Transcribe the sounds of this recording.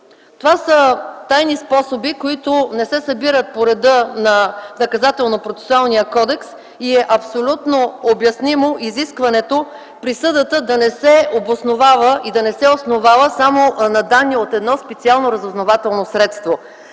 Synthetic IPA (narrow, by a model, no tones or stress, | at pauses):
t̪ovasət̪ajnispɔsobikoit̪ʊnɛsɛsɐbiɾət̪̚poɾɛd̪ɤnɐnɐkɐzat̪ɛlˠnopɾot̪sɛ̥sʊalˠnijəkɔd̪ɛks | iɛʔɐpsolʲut̪noobjɐsnimoʔiziskvɐnɛt̪o | pɾisɤd̪ət̪əd̪ɐnɛsɛobosnovavəʔid̪ɐnɛsɛosnovavəsamonɐd̪anːiot̪ɛd̪nɔspɛt̪sialˠnoɾəzoznovat̪ɛlˠnosɾɛt̪st̪vo